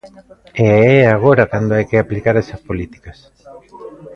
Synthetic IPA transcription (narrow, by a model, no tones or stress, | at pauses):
eɛaɣoɾakand̪oajkeaplikaɾɛsɐspolit̪i̥kas